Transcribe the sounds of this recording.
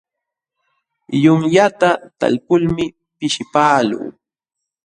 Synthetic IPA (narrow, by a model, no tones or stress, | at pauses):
jʊŋjat̪at̪a̰lkʊlmɪ | pɪʃɪpaːlṵː